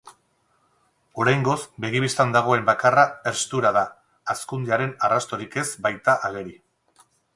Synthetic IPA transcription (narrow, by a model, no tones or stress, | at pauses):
o̞ɾajŋɡo̞zbe̞ɣ̞iβ̞ist̪and̪aɣ̞o̞e̞mbakarae̞ɾst̪uɾaðaː | skund̪eaɾe̞narast̪o̞ɾike̞zbajt̪aʔaɣ̞e̞ɾi